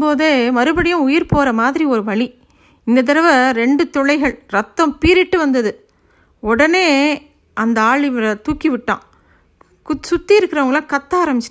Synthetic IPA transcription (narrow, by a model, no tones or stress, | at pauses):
poːðemɐɾɯbɐɽɪjʊ̃ʊjɪɾpoːɾɐmaːðɪɾiɔɾɯʋɐɭi | ɪnd̪ɐt̪̬ɪɾɐʋɐɾɛɳɖɯt̪ɔɭɐɪɣɐɭɾɐt̪ːɐ̃mpiːɾɪʈːɯʋɐnd̪ɐðɯ | ɔɽɐneː | ʔɐnd̪ɐaːɭɪʋɪɭɐt̪uːkːiʋɪʈːã̰ː | ksʊt̪ːiɪɾɯkːɾɐʋɐŋɡɐɭãːkɐt̪ːaːɾɐmbɪt͡ʃː